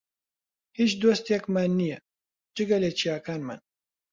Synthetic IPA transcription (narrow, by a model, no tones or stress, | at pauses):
hit͡ʃd̪oːst̪jɛkmanːijɛ | d͡ʒɨɡɐleːt͡ʃʰijaːkaːnma̰n